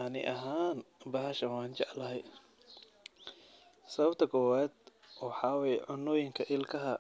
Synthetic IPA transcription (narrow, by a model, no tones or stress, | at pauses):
anɪ̰ʔɐɦaːnbɐhɐʃɐnwaːnt͡ʃɛʕlɐɦɛj | sɐβɐbt̪ʰɐkʰɔːwaːd̪ʔɔːħɑːwɛjʕʊnːɔːjɪŋkʰɐʔɪlkʰɐɦɐ